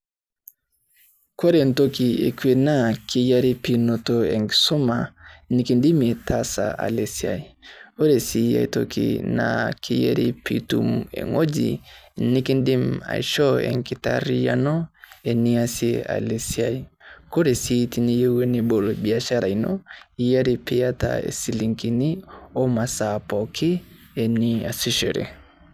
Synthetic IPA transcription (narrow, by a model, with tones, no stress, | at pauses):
ko˦ɾe˨nto˦ki˨ḛ˨kwe˨na˦kʰi˦ja˦ɾi˦pi˨no˨to˨ɛ˨ŋki̥˨so˦ma˨ni˦ki˨ndi˦me˨tʰa˦sa̰˨ʔa̰˨le˨si˨a̰˨i˨o˦ɾe˨si˦ja̰˨i˨to˨kḭ˨na̰˨ki˦jɛ̰˦ɾi˦pʰḭ˨tṵ˦mḛ˨ŋo˦d͡ʒḭ˨ni˦ki˦ndi˦ma̰˨iʃɔ˦ḛ˨ŋki˨taɾi˦ja˦nɔ˦e˨ni˦asea̰˨le˨sia˦iko˦ɾe˨si˦ti˦ni˦je˦we˦ni˦bo˨lo˨bi˨a˨ʃa˦ɾa˨i˨nɔ˦i˦ja˦ɾi˦pi˦ja˦ta̰ḛ˨si˨li˨ŋki˨ni˦o˦ma˨sa˨pɔ˨kʰi˦ | e˨ni˦a˨si˦ʃe˨ɾḛ˨